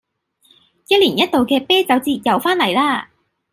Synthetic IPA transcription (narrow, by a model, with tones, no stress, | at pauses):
jɐ˥t̚liː˨˩njɐ˥t̚t̪o˨wkɛː˧pɛː˥t͡sɐ˨˧˥wt͡siː˧jɐ˨˩wfaː˥nlɐ˨˩jlaː˥